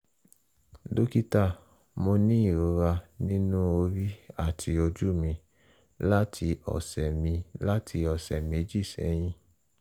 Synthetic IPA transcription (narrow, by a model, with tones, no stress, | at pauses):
do˦ki˦ta˦˨ | mo˧nĩ˦i˦˨ɾo˨˦ɾa˧nĩ˦nũ˦o˧ɾi˦a˦˨tʰi˧o˧d͡ʒu˦mĩ˧ | la˦tʰi˧ɔ̰˨sɛ˨mĩ˧la˦tʰi˧ɔ˨sɛ˨mĩ˧˦d͡ʒi˦˨sɛ̰˨˦j̃ĩ˦